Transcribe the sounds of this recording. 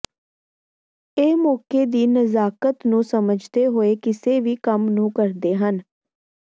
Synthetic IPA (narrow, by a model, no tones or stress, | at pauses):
eːmɔːkeːd̪iːnəzaːkət̪nũːsəməd͡ʒd̪eːɦoːeːkɪseːʋiːkəmnũːkəɾd̪eːɦən